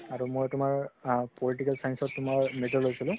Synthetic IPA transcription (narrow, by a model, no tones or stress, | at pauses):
aɹumojtumaɹpoliʈikalsajnsɔtːumaɹmeʈɔlɦojsilʊ̃